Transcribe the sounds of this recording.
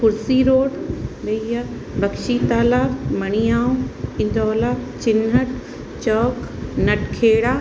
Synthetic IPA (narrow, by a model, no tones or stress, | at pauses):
kʊɾsiɾoːɽbɐija | bɐkʃit̪aːlaːmɐɽ̃ijaːũɪ̃nd̪ʱɔːlat͡ɕɪnəʈ | t͡ɕɔːknɐʈkʰeːɽaː